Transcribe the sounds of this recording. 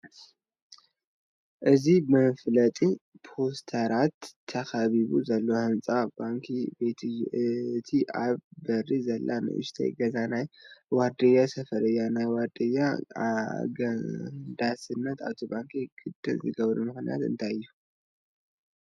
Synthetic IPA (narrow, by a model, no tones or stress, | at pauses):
ʔɨzimɐflɐt̪ʼi | pʰo̞st̪ʰɐɾat̪ʰːɐxaβiβuzɐlːohɨnt͡sʼabaŋkʰibe̞t̪ʰ | t̪ʰiʔaβbɐrizɐlːʔanɨ̰ʔɨ̰ʃt̪ʰḛɡɐzanajwaɾd̪ɨjːasɐfɐɾɨjːanajwad̪ɨjːa | ɡnd̪asɨnːɐt̪a̰βt̪ʰobaŋkʰiɡ̥ɨd̪ɨlzɨɡɐβɾumɨxnija̰t̪ɨ̰nt̪ʰajɨjːu